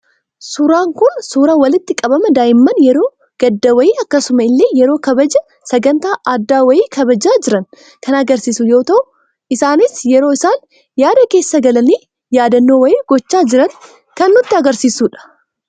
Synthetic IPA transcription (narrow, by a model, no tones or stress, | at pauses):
suɾaːŋkʊnsuːɾɐwɐlɪt̪ːɪkʼɐbɐmɐd̪aːjɪmːɐnjɛɾo̞ː | ɡ̥ɐd̪ːɐwɐjiːɐkːɐsʊmɐɪlːe̞ːjɛɾo̞ːkɐbɐd͡ʒɐ | sɐɡɐnt̪aːʔɐd̪ːaːwɐjiːkʰɐbɐd͡ʒaːd͡ʒɪɾɐn | kʰɐnɐɡɐɾsiːsujo̞ːt̪ɐʔʊ | ʔɪsaːnɪsjɛɾo̞ːɪsaːn | jaːd̪ɐke̞ːsːɐɡɐlɐniː | jaːd̪ɐnːoːwɐjiːɡ̥ɔt͡ʃːaːd͡ʒɪɾɐn | kɐnːʊt̪ːɪɐɡɐɾsiːsuːᶑɐ̥